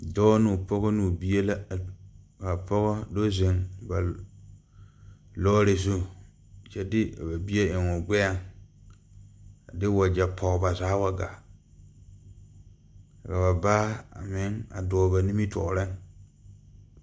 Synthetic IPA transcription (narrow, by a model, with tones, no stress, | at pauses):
dɔː˦nʊ˨pɔ˦ɣɔ˦nu˨bi˦e˦la˦˨ | ka˨pɔ˦ɣɔ˦do˦zɪ˨ŋba˨ | lɔː˦ɾɪ˨zu˦ | t͡ʃɛ˦dɪ˦a˨ba˨bi˦e˦ɪ˨ŋʊ˨ɡʷɛ˦a˦˨ŋ | a˨dɪ˦wa˨d͡ʒa˨pʰɔ˨ba˨zaː˨˦wa˦ɡa̰˨ | a˨ka˨ba˨baː˦a̰˨mɪ˦ŋa̰˨dɔː˨ba˨ni˦mi˦tɔ̰˨ɾɪ˦ŋ